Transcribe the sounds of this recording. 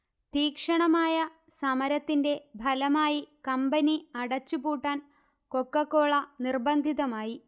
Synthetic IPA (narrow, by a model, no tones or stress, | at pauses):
t̪iːkʂɐɳɐmaːjɐ | sɐmɐɾɐt̪ːinde̞bʱɐlɐmaːjikɐmbɐniɐɽɐt͡ɕːupuːʈːaːn | ko̞kːɐkːo̞ːɭɐnirbɐnd̪ʱiðɐmaːji